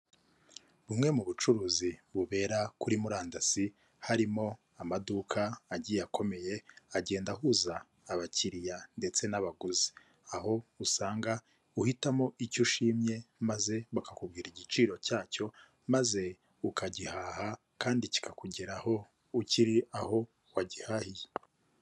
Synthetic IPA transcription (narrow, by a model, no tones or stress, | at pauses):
βumŋe̞muβut͡ʃuɾuːziβuβe̞ːɾakuɾimuɾaːndasi | haɾimo̞ | amadukʰaːɟijakʰo̞me̞je̞aɟe̞ːndahuzaː | βaciɾijande̞t͡se̞naβaɡuzi̥ | aho̞usaːŋɡa | uhitamoʔicuʃiːmɲe̞maze̞βakakubɡiːɾiɟit͡ʃiːɾo̞caːco̞ | maze̞ | ukʰaɟihaha | kaːndici̥kakuɟeɾaho̞ | uciɾiaho̞ | waɟihahije